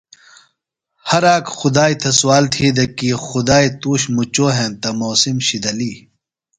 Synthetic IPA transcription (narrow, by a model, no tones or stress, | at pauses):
hɐɾaːkxʊd̪aːjt̪ʰɐswaːlt̪ʰiːd̪ɐkiːxud̪aːit̪uːɕmut͡ɕoːɦẽːmt̪ɐmoːsimɕid̪ɐliː